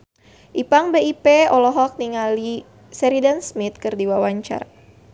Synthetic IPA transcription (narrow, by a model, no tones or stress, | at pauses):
ʔipaŋbeipeɔlɔɦɔk̚niŋali | sɛɾidansmit̪̚kɨrdiwawaɲt͡ʃa̰r